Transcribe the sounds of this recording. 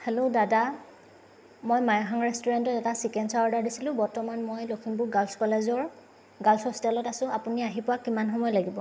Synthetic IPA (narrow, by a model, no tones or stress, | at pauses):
helʊdada | mojmajɔɦaŋɹestuɹantɔtɛtasikɛnsaɔɹdaɹdisilʊ̃bɔɹtɔmanmojlokʰinbʊɡalskɔlezɔɹ | ɡalsɔstɛlɔtasʊ̃apuniaɦipʊwakimanxɔmɔjɔlaɡibɔ